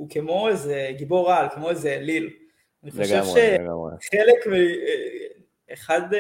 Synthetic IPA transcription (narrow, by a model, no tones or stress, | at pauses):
ukemo̞ezeɡibo̞ʁalkemo̞ezelil | aniχoʃevʃea̰ḛχelekmi | eχad